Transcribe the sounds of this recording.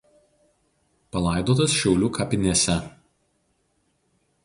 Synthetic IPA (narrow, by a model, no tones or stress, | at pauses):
pɐlˠɐˑɪd̪oːt̪ɐsʃʲɛʊlʲuːkɐpʲɪnʲeːsʲɛ